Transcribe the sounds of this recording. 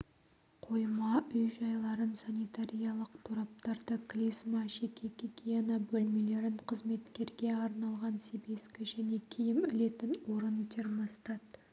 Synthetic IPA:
qʰo̞jmɑʔʏjʒɑjlˠɑɾənsanit̪aɾʲijɑlˠəqt̪ʰuɾɑp̚t̪ɑɾd̪əkʲʰlismɑʃekʲʰekʲekʲijanɑbɵlme̞le̞ɾɪɴqʰəzme̞t̪kʲe̞ɾɡʲe̞ɑɾnɑlˠʁɑnsebeskʲɪʒæne̞kʲʰejɪmʏle̞t̪ɪnwo̞ɾənt̪ʰeɾmɑst̪ɑt̪

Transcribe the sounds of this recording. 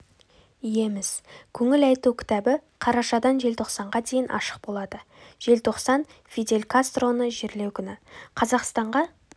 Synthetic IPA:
ije̞mɪzkʲʰɵŋɪlɑjt̪ukʲʰɪ̥t̪æbɪqʰɑɾɑʃɑd̪ɑnʒe̞lt̪ʰo̞qsɑɴʁɑd̪e̞jɪnʔɑ̰ʃə̥q̚bo̞lˠɑd̪ə | ʒ̥e̞lt̪ʰo̞qsɑnfid̪e̞lʲkast̪ro̞nəʒeɾle̞wkʲʰʏnɪqʰɑzɑqst̪ɑɴʁɑ

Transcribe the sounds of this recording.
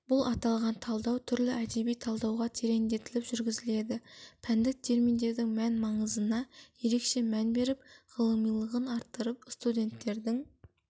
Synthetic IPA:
b̥ʊlˠʔɑt̪ɑlˠʁɑnt̪ʰɑlˠd̪ɑwt̪ʰʏɾlɪʔæd̪e̞bijt̪ʰɑlˠd̪ɑwʁɑt̪ʰeɾe̞nd̪e̞t̪ɪlɪpʒʏɾɡʲɪzɪle̞d̪ɪpʰænd̪ɪk̚t̪ʰe̞ɾmijnd̪e̞ɾd̪ɪŋmænmɑɴəzənɑje̞ɾe̞kʃe̞mænbe̞ɾɪp̚ʁəlˠəmijlˠəʁənɑɾt̪ːəɾəpst̪ud̪ʲe̞nt̪ːe̞ɾd̪ɪŋ

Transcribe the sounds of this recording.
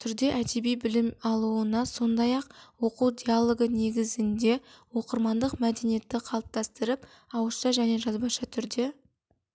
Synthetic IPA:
t̪ʰʏɾd̪e̞ʔæd̪e̞bijbɪlɪmɑlˠuənɑso̞nd̪ɑjɑqwo̞quwd̪ʲialˠo̞ɡəne̞ɡʲɪzɪnd̪e̞wo̞qəɾmɑnd̪əqmæd̪e̞nije̞t̪ːɪqʰɑlˠəp̚t̪ɑst̪əɾɪp | ɑwəʃɑʒæne̞ʒɑzbɑʃɑt̪ʰʏɾd̪e̞

